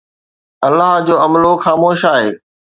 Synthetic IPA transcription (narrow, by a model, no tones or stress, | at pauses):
ɐlːaɦd͡ʑoːɐmloxaːmoːʃaːɦeː